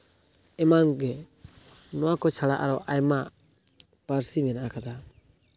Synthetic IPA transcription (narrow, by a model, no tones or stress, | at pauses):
ɛmanɡɛ | nɔwakɔt͡ʃʰaɽaʔaɾɔʔajmaʔ | paɾsimɛnaʔakʰad̪a